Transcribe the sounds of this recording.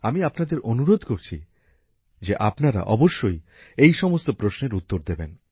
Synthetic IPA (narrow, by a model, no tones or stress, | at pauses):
amiapnad̪eɾonuɾod̪ʱkoɾt͡ɕʰḭ | d͡ʑeʔapnaɾa̰ʔɔboʃːoj | ejʃɔmost̪opɾosneɾut̪ːoɾd̪ebḛn